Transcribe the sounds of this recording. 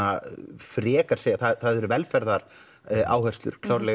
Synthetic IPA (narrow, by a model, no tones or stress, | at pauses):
afɾɛːkḁsɛθaθaðɛɾvɛlfɛɾðaɾ | a̰ːwhœ̥st̪lʏ̰ɾ̥kʰlaːwɾlɛ